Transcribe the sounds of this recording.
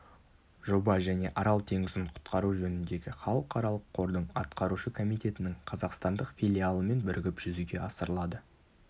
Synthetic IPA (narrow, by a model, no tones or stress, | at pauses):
ʒo̞bɑʒæne̞ʔɑɾɑlˠt̪ʰe̞ŋɪzɪɴqʰʊ̥t̪qɑɾuʒɵnɪnd̪e̞ɡʲɪχɑlˠəqʰɑɾɑlˠəqʰːo̞ɾd̪əɴɑt̪qɑɾuʃəkʰo̞mijt̪e̞t̪ɪnɪŋqʰɑzɑqst̪ɑnd̪əqfʲilʲialˠəme̞nbɪɾɪɡʲɪpʒ̥ʏzuɡʲe̞ʔɑsəɾəlˠɑd̪ə